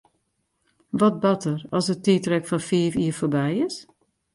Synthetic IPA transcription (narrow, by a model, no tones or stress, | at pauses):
ʋɔt̚bɑtərɑsətitrɛkfɔnfiːfiːɹfoːɹbɛjɪs